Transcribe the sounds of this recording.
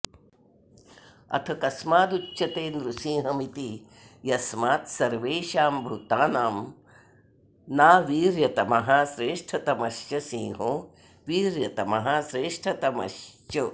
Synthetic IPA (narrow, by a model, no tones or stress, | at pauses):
ɐ̰t̪ʰɐkɐsmaːd̪ut͡ʃʃɐt̪eːnd̪ɾusĩːɦɐmit̪i | jɐsmaːt̪sɐɾʋeːʃaːmbʱut̪aːnaːm | naːʋiːɾjɐt̪ɐmɐɦaːsɾeːʂʈʰɐt̪ɐmɐʃjɐsĩːɦoː | ʋiːɾjɐt̪ɐmɐɦaːsɾeːʂʈʰɐt̪ɐmɐ̰ʃt͡ʃɐ